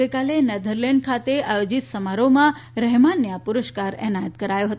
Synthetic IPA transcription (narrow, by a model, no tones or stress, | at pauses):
əjkalenɛd̪ʱəɾlɛɳɖ̚kʰat̪eajod͡ʒit̪səmaɾomãɾɛɦmanːjapʊɾəʃkaɾɛ̰najət̪kəɾajoɦət̪